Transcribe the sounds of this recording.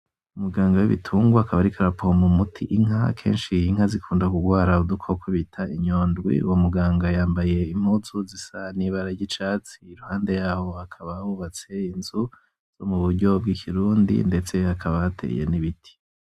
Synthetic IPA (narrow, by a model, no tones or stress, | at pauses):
umuɡaːŋɡawiβḭtʰuːŋɡwaakaβaɾikʰaɾapomumutʰḭʔiŋɦakʰe̞̰ːnʃihiŋ̥hazikʰuːndakuɡwaːɾaudukʰokwuβitʰaiɲoːndɡwḭṵwomuɡaːŋɡajaːmbaje̞im̥huzuzisaniβaɾaɟit͡ʃaːt͡siːɾuhaːnde̞jaːho̞akʰaβaβuβat͡se̞inzu | z̥o̞̰muβuɾɟo̞b̚ɡikʰiɾuːndḭnde̞t͡se̞hakʰaβahatʰḛjḛniβitʰi̥